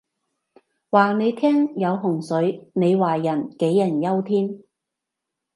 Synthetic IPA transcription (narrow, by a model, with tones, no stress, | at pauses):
waː˨˩ne˨˧jt̪ʰɛː˥ŋjɐ˨˧wɦʊ˨˩ŋsɵ˨˥ɥne˨˧jwaː˨jɐ˨˩nke˨˥jːɐ˨˩njɐ˥wt̪ʰiː˥n